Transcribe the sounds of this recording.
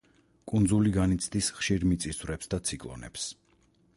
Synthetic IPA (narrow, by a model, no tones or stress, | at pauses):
kʼund̪zuliɡanit̪sʰd̪isχʃiɾmit̪sʼisvɾɛpsd̪at̪sʰikʼlˠɔ̰nɛ̰ps